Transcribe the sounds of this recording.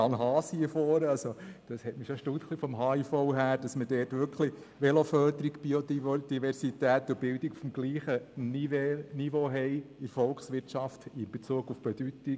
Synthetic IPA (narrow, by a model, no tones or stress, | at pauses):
ɑnɦɑːsiəfɔːɾɑlsod̪̥ɑshɛtmiʃoʃtut̪χlifɔmɦɑːifɔʊɦæːɾd̥ɑsmədɛːtʋʏɾkχli | ʋɛlofœːdəɾiɡb̥iodid̥̪iʋɛɾsit̪æːt̪ːʊbɪldiɡufmɡliːχənivenivoːɦɛɪɪɾfɔlksʋɪtʃɑftɪnb̥ɛt͡suəɡufb̥ɛd̥̪yt̪i